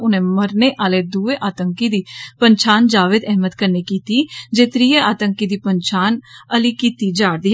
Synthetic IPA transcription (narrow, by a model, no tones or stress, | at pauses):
ʊnẽːməɾneːʔaːleːd̪uːeːʔaːt̪əŋkiːd̪iːpəɲt͡ʃʰaːnd͡ʒaːʋeːd̪ɛɦmət̪kəɾniːkiːt̪iːd͡ʒeːt̪ɾiːeaːt̪əŋkiːd̪iːpəɲt͡ʃaːnəliːkiːt̪iːd͡ʒaːɽd̪iː